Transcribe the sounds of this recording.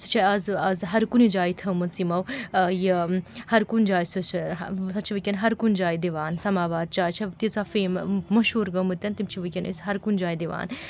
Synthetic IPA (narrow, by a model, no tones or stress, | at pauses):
su̥t͡ʃʰɐɐzɐzɦɐɾkunid͡ʒaːit̪ʰɐmɐnt͡simɐwjihɐɾkund͡ʒaːjsut͡ʃʰsɐt͡ʃʰiʋɨkʲɐnɦɐɾkund͡ʒaːjid̪iʋaːnsɐmaːʋaːɾ̚t͡ʃaːjt͡ʃʰɐt̪it͡safeːmmɐʃɦuːɾɡɐmɨt̪ʲɐnt̪imt͡ʃʰiʋɨkʲɐnʔḭsɦɐɾkund͡ʒaːid̪iʋa̰ːn